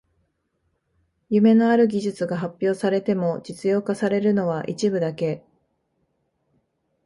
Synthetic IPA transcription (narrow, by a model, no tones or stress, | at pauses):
jɯ̟me̞no̞aɾɯ̟ɡʲiʑɨt͡sɨɡaɦapʲːjo̞ːsaɾe̞t̪e̞mo̞d͡ʑit͡sɨjo̞ːkasaɾe̞ɾɯ̟no̞βaʔit͡ɕibɯ̟d̪ake̞